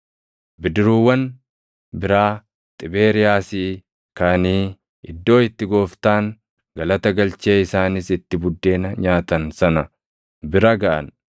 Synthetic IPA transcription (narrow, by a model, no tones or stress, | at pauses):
bɪd̪ɪɾuːwːɐn | bɪɾaː | t̪ʼɪbe̞ːɾɪjaːsiː | kɐniː | ɪd̪ːo̞ːɪt̪ːɪɡo̞ːft̪aːŋ | ɡɐlɐt̪ɐɡɐlt͡ʃeːɪsaːnɪsɪt̪ːɪbʊd̪ːe̞ːnɐɲaːt̪ɐnsɐnɐ | bɪɾɐɡɐʔɐ̰n